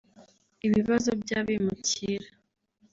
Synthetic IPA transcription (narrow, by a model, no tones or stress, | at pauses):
iβiβazobɟaːβemuciɾa